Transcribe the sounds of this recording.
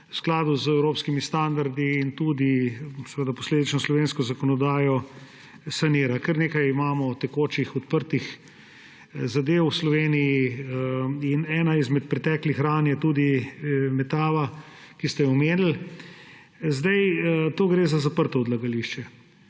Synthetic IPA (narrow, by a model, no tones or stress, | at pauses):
usklaːd̪uzɛwɾoːpskimist̪and̪aɾd̪iːnt̪ud̪isɛʋəd̪apoɔsleːd̪it͡ʃnɔslɔʋeːnskɔzakɔnɔd̪aːjɔ | saniːɾakəɾneːkajimaːmɔt̪ɛkoːt͡ʃixɔt̪pəɾt̪ix | zad̪ewslɔʋeːniji | inɛːnaizmɛt̪pɾɛt̪ɛːklixɾanjɛt̪uːd̪imɛt̪aːʋa | kist̪ɛɔmeːnl | zd̪ajt̪oːɡɾeːzazapəɾt̪ɔɔd̪laɡaliʃt͡ʃɛ